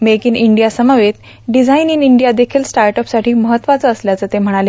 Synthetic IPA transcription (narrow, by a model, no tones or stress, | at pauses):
mekiːniɳɖijasəmaʋet̪ | ɖid͡zʱaininiɳɖijad̪ekʰiːlsʈaɾʈɔpsaʈʰiːməɦət̪ʋat͡səːsljat͡səːt̪em̤əɽ̃ale